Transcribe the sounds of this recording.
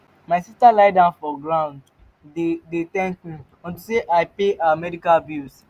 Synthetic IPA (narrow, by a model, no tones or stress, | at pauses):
maɪsistalaɪdãʊ̃nfɔɡɹãʊ̃nd | edetɛ̃ntmĩ | ɔ̃ntuseʔaɪpeʔaamɛdikalbils